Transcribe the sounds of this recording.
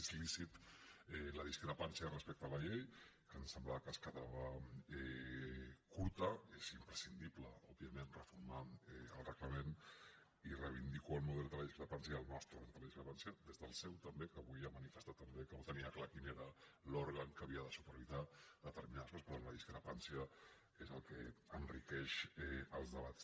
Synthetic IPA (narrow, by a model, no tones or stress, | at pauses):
zlisit̪ɛləð̞iskɾəpansjərəspek̚t̪ələʎejkənsəmblaβakəskəðaβəɛ | kuɾt̪əezimpɾəsind̪ipləɔbiəmenrəfuɾmaəlˠrəkləmen | irəβ̞ind̪ikoəlˠmuðɛld̪ələðiskɾəpansjəəlˠnɔst̪ɾəðələðiskɾəpansjəðezðəlˠsɛwt̪əmbekəβujamənifəst̪at̪ːəmbekəot̪əniəklakineɾəlɔɾɣəŋkəβ̞iəðəsupəɾβizaðət̪əɾminaðəskɔnspɾt̪onləðiskɾəpansiə | ezəlˠkḛənrikɛʃɛəlˠzðəβat͡s